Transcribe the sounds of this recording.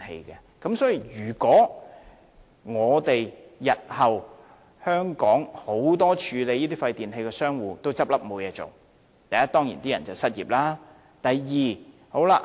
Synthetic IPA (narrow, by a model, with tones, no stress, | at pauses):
hḛ˧jkɛ˧ | kɐ˨˥msɔː˨˥ji˨˧jyː˨˩kɔː˨˥ | ŋɔː˨˧t̪e˨jjɐ˨t̚hɐ˨w | hœː˥ŋkɔː˨˥ŋho˨˥wt̪ɔː˥t͡ʃʰyː˨˧le˨˧jiː˥t̪iː˥fɐ˧jt̪iː˨nɦe˧jkɛː˧sœː˥ŋwuː˨˧t̪o˥wt͡sɐ˥p̚lɐ˥p̚mo˨˧wjɛː˨˧t͡so̰˨w | t̪ɐ˨jɐ˥t̪̚ɔː˥ŋjḭː˨˩nt̪iː˥jɐ̰˨˩nt͡sɐ˨wsɐ˥t̚jḭː˨p̚laː˥ | t̪ɐ˨jjiː˨ | ho˨˥wla˧